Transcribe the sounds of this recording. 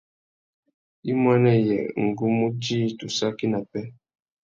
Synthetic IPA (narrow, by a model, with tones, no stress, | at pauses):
i˦mwa˦nɛ˦jɛ̰˨ŋ̩˨ɡu˦mu˦t͡ʃi˦˨tu˨sa˦ki˦na˨pɛ˦